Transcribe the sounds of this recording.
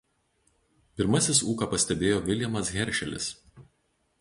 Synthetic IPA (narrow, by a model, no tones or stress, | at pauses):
pʲɪɾmɐsʲɪsuːkɐpɐsʲt̪ʲɛbʲeːjoːʋʲɪlʲjɛmɐsɣʲɛɾʲʃʲɛlʲɪ̰s